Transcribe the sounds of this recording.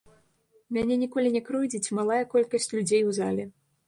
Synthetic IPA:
mʲanʲɛnʲikɔlʲinʲɛkɾujd͡zʲit͡sʲmalˠajɐkɔlʲkɐsʲt͡sʲlʲud͡zʲejwza̰lʲɛ

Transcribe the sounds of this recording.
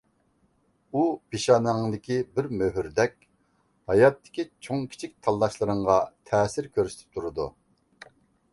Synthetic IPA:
upiʃɑnɨŋd̪ɪkʲibɪɾmøɦyɾd̪ɛkʲ | hɑjɑt̪ʰːɪ̥kʲit͡ʃʰoŋkʲʰi̥t͡ʃʰik̚ʲt̪ʰɑlˠːɑʃlˠɨɾɨŋʁɑt̪ʰɛːsɪɾkʲʰøɾsɪ̥t̪ʰɪ̥t̪ʰuɾɨd̪ṵ

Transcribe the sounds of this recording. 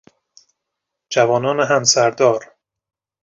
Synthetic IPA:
d͡ʒævɒːnɒːneɦæmsæɾd̪ɒːɾ

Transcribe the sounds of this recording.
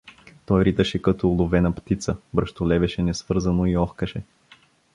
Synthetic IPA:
t̪ɔjɾit̪əʃɛkɐt̪oːlˠʊvɛnɐpt̪it̪səbɾəʃt̪olɛvɛʃɛnɛsvɤɾzɐnoiɔxkəʃɛ

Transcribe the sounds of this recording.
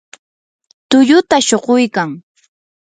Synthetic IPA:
t̪ʊʎʊt̪aʃoɢojkaŋ

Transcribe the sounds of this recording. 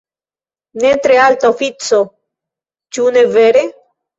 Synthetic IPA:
net̪ɾealt̪ofit͡so | t͡ʃuneveɾe

